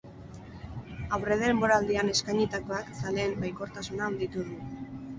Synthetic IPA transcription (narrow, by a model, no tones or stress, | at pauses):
awre̞ðe̞mbo̞ɾald̪iane̞skajɲit̪akoaksale̞ːmbajko̞ɾt̪asunaːnd̪it̪uðu